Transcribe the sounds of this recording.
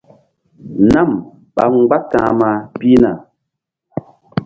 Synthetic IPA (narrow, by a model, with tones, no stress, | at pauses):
na˦˨m | ɓa̰˨ŋ˦ɡ͡ba˦tãː˨˦ma˨pi˦na˨